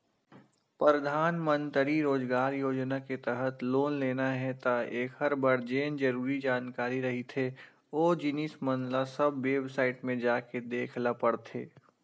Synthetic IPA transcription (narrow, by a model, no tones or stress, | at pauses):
pɾəd̪ʱaːnmə̃nt̪ɾiɾoːd͡ʒɡaːɾjoːd͡ʒnaket̪ɛɦət̪loːnleːnaɦɛt̪aeːkɦɐɾbəɾd͡ʒeːnd͡ʒɐɾuːɾid͡ʒaːnkaːɾiɾɐɦit̪ʰe | oːd͡ʒɪnismə̃nlasɐbʋeːbsaːɪʈmẽd͡ʒaːked̪eːkʰlapəɽt̪ʰeː